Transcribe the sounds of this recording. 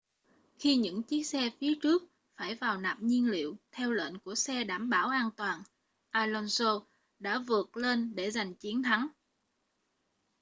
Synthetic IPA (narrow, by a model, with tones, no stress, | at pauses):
xi˧ɲɨ̰˧˥ŋt͡ɕi˦˥k̚sɛ˧fi˨˦ət͡ɕɨ˦˥ək̚ | faː˧˩jvaː˨˩wna̰ː˨˩p̚ɲi˧ənlḭ˧˨əwt̪ʰɛ˧wlwḛː˧˨nku˧˩əsɛ˧ɗaː˧˩mɓaː˧˩wʔaː˧nt̪waː˨˩n | ʔaː˧lɔ˧nso˧ | ɗa̰ː˧˥vɨ˨˩ət̚le˧nɗe˧˩za˨˩jŋ̟t͡ɕi˨˦ənt̪ʰa˨˦ŋ